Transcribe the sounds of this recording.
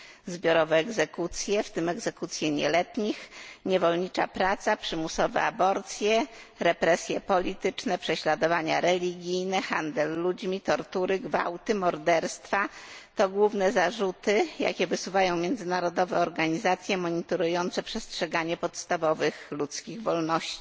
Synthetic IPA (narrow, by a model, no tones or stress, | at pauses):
zbʲjɔɾɔvɛːɡzɛkut̪sʲjɛft̪ɘmɛɡzɛkut̪sʲjɛɲɛ̰lɛt̪ɲixɲɛvɔlɲit͡ʂapɾat̪sapʂɘmusɔvɛ̰a̰bɔɾt̪sʲjɛ | ɾɛpɾɛsʲjɛpɔlʲit̪ɘt͡ʂnɛpʂɛɕlad̪ɔvaɲa̰ɾɛlʲiɡʲijnɛxand̪ɛlːud͡ʑmʲit̪ɔɾt̪uɾɘɡva̰wt̪ɘmɔɾd̪ɛɾst̪fat̪ɔɡwuvnɛzaʐut̪ɘja̰kʲɛvɘsuvajɔ̃w̃mʲjɛnd̪zɘnaɾɔd̪ɔvɛɔɾɡaɲizat̪sʲjɛmɔɲit̪ɔɾujɔnt̪sɛpʂɛstʂɛɡaɲɛpɔt̪st̪avɔvɘxlut̪skʲiɣvɔlnɔɕt͡ɕi̥